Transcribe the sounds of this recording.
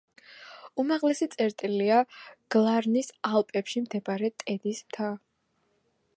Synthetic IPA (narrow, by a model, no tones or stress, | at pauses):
umaʁlɛsit̪sʼɛɾt̪ʼiliaɡ̥lˠaɾnisalˠpʼɛpʃimd̪ʰɛbaɾɛt̪ʼɛd̪ismt̪ʰa